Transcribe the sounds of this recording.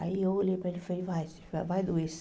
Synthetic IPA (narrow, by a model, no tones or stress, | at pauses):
a̰iewolʲejpɾɐelɪfevajsfavajd̪ʊes